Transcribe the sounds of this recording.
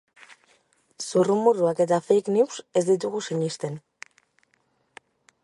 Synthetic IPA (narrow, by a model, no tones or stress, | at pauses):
surumuruake̞t̪afejkniwse̞zd̪it̪̬uɣusiɲist̪e̞n